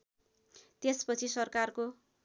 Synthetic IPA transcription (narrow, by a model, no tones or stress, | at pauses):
t̪espʌt͡sʰisʌrkarko